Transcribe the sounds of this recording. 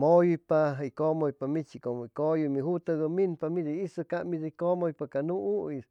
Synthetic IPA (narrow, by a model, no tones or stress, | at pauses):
mojujpaɦikomojpamit͡ʃikomoikojumiɦut̪aɡəminpamid̪iisɨkamid̪ikomojpakanuʔuis